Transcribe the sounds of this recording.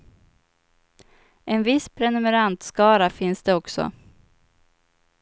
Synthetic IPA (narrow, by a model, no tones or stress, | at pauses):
ʔɛnvɪspʰɾɛnɵmɛɾant̪skɑːɾafɪnsd̪ɛɔksɔ̰